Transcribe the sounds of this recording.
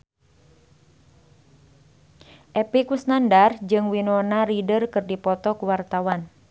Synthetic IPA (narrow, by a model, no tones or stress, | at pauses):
ʔɛpikusnandard͡ʒɨŋwinɔnaɾidərkɨrdipɔt̪ɔkuwart̪awan